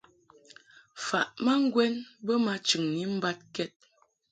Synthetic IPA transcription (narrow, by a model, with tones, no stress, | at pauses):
fa˨ʔma˦ŋ̩˦ɡwɛ˦nbə˦ma˨t͡ʃɨ˨ŋni˦m̩˦ba˦t̚kɛ˦t̚